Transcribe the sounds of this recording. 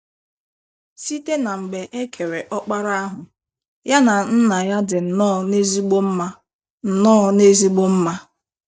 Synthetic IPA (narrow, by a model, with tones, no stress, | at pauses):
si˦te˦na˨ŋ͡m̩˨ɡ͡be˨ʔe˦kʰe˨ɾe˨ʔɔ˦k͡pa˦ɾa˦a˦ɦʊ˨ | ja˦na˨n̩˦na˨ja˦dɪ˨n̩˨nɔː˦˨ne˦zi˦ɡ͡bo˦m̩˦ma˦ | n̩˨nɔː˦ne˦zi˦ɡ͡bo˦m̩˦ma˦